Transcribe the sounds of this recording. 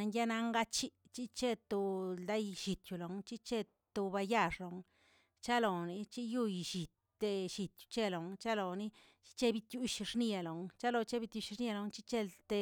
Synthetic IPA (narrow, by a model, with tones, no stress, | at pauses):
a˧ŋja˦na˧ŋɡa˦t͡ʃi˦t͡ʃi˦t͡ʃe˦t̪o˧ld̪a˦jʃi˨t̪ju˨lo˨ŋt͡ʃi˦t͡ʃe˦ | t̪o˧ba˧ja˦˧ʂlo˨ŋ | t͡ʃa˦lo˨ni˧t͡ʃi˦ju˦jʃi˨t̪ː | e˧ʃi˨t̪ju̥˨t͡ʃe˦lo˨ŋt͡ʃa˦lo˨ni˦ | t͡ʃi̥˦t͡ʃe˦bi˧t̪ju˧ʃʂni˦˧a˨lo˨ŋt͡ʃa˦lo˧t͡ʃe˦bi˧t̪ju˧ʃni˦a˧lo˧ŋt͡ʃi˦t͡ʃe˦t̪e˧